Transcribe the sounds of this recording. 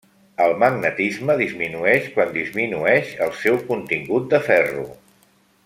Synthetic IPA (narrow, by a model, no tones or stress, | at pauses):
əlˠməɡ̚nət̪izməðizminuɛʃkwand̪izminuɛʃəlˠsɛwkunt̪iŋɡut̪̚d̪əfɛrṵ